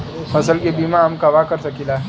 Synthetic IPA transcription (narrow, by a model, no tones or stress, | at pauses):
fəsəlɡebimaamkɐʋakəɾsəkila